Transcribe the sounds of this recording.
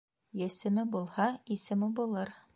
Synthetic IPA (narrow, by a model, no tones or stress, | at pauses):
jæ̆sɘ̆mɘbulˠhɑisɘ̆mɘbulˠɤɾ